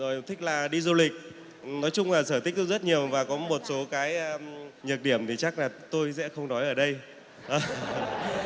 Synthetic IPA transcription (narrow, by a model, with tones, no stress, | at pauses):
zo˨˩jt̪ʰï˦˥k̟̚laː˨˩ɗi˧zu˧lï˨˩k̟̚ | nɔ˨˦jt͡ɕʊ˧ŋ͡mlaː˨˩səː˧˩t̪i˦˥k̚t̪zə˦˥t̚ɲi˨˩əwvaː˨˩kɔ˨˦mo˨˩t̚so˨˦kaː˨˦jɲɨ˨˩k̚ɗi˧˩əmt̪ʰi˨˩t͡ɕa˦˥k̚laː˨˩t̪o˧jsɛ̰˧˥xə˧wŋ͡mnɔ˨˦jʔəː˧˩ɗə˧j | ʔəː˨˩